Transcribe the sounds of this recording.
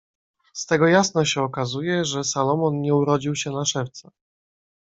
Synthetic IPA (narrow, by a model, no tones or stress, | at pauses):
st̪ɛɡɔjasnɔɕɛɔkazujɛʐɛsalɔmɔnɲɛuɾɔd͡ʑiwɕɛnaʂɛft̪sa